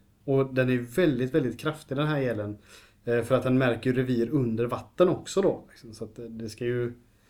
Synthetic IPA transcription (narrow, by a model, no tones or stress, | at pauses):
ɔd̪ɛnæɾjɵvɛld̪ɪt̪vɛld̪ɪt̪̚kʰɾaft̪ɪd̪ɛnɦæːɾɛlːən | fœɾat̪hanmæɾkəjʉɾɛviːɾɵnd̪əɾvat̪ːənɔksɔd̪ɔlɪksɔmsɔat̪d̪ɛskajɵ